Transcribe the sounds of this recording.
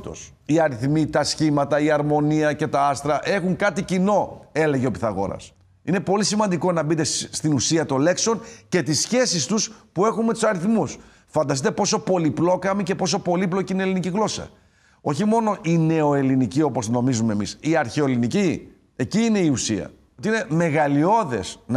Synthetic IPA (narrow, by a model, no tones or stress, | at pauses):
t̪o̞̰s | iɐɾiθmit̪ɐsçimɐt̪ɐiɐɾmo̞niɐce̞t̪ɐɐst̪ɾɐʔe̞xuŋkɐt̪icino̞e̞le̞ʝeopiθɐɣo̞̰ɾɐ̰s | ine̞po̞lisimɐnd̪iko̞nɐbit̪e̞st̪inusiɐt̪o̞le̞kso̞nce̞t̪isçe̞sist̪uspue̞xunmet̪u̥sɐɾiθmus | fɐnd̪ɐs̬it̪e̞po̞so̞po̞liplo̞kɐmice̞po̞s̬o̞po̞liplo̞cineliniciɣlo̞sɐ̰ | o̞çimo̞no̞ʔine̞o̞e̞linicio̞post̪no̞mizumemisiɐɾçeolinici | e̞ciːne̞iusiɐ̰ | ot̪iine̞me̞ɣɐlio̞ðe̞̰sn